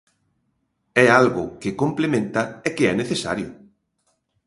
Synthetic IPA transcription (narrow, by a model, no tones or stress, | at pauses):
ɛalɣʊkɪkomplemẽnt̪ɐɛkɪɛneθesa̰ɾjʊ̰